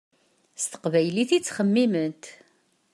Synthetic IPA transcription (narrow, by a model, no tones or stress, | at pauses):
st̪ə̥qvæjliθit͡sːχəmːimənt̪